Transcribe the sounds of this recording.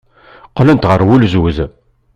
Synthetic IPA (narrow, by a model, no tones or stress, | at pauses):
qlənt̪ʁəɾˤwulzwð